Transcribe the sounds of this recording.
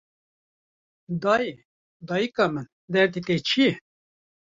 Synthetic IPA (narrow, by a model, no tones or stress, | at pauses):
d̪ɑːje | d̪ɑːjikɑmɨn | d̪ɛɾt̪it̪et͡ʃʰijɛ